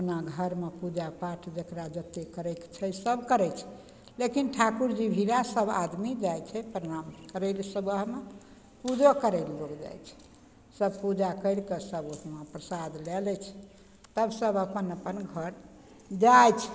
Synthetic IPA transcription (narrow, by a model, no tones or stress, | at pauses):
əpnaɡʱəɾmepud͡ʒapaʈʰd͡ʒəkɾad͡ʒət̪ekəɾɛkt͡ʃʰɛsəbkəɾɛt͡ʃʰɛ̥ | lekinʈʰakuɾd͡ʒibʱilasəba̰d̪mid͡ʒajt͡ʃʰɛpɾəɾamkəɾəlsəbəɦme | pud͡ʒokəɾəɪlːokd͡ʒa̰jt͡ʃʰɛ̥ | səbpud͡ʒakəɪɽkesəboɦmepɾəsad̪lɛlɛt͡ʃʰ | t̪əbsəbəpənəpənɡʱəɾ | d͡ʒajt͡ʃʰ